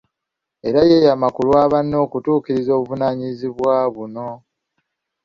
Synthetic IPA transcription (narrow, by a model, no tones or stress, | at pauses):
e̞ɾajeːjamakulwaːβanːo̞ːkutuːkiɾizo̞ːβuvunaːɲiziβwaːβuno̞